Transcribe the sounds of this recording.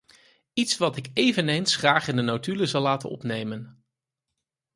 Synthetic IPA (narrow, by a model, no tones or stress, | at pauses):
itsʋɑtɪkejvənejnsχraːχɪndənowtyləzɑlˠːaːtə̰nɔ̰pnejmən